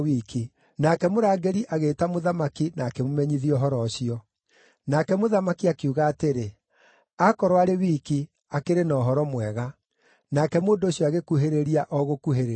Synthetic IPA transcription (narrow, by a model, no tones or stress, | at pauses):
wiːkʰi | nakɛmoɾaːɡeɾiʔaɣeːtamoðamakinaːkemomɛɲiðiɔɦɔɾɔɕiɔ | nakɛmoðamakiakeuɣaːteɾe | akɔɾwaɾewiːki | akeɾenɔːɦɔɾɔmwɛɣa | nakɛmoːndoːɕjɔaɣekuɦeɾeɾiaʔɔɣokuɦeɾe